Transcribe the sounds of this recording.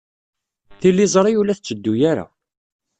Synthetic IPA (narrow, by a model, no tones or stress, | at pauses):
θilːizˤɾˤijulæθt͡sːəd̪ːujaɾa̰